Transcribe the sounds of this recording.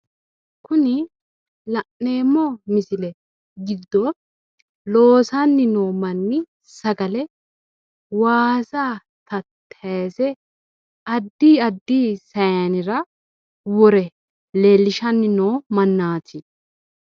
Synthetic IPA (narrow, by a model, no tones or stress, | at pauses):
kʊnɪ | lɐʔne̞ːmːɔmɪsɪlɛ | ɡɪd̪ːɔ | lo̞ːsɐnːɪnoːmɐnːɪ | sɐɡɐlɛ | waːsaː | t̪ɐt̪ʰːsɛ | ɐd̪ːiːɐd̪ːiːsɐjɐnɪɾɐ | wɔɾɛ | leːlːɪʃɐnːɪnoːmɐnːaːt̪ʰɪ